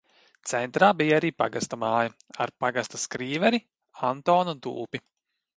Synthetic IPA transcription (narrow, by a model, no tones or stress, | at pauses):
t̪sɛnt̪ɾaːbijaɾiːpa̰ɡast̪amaːjaa̰ɾpaɡast̪askɾiːvɛɾi | ant̪ɔːnɔd̪ṵːpi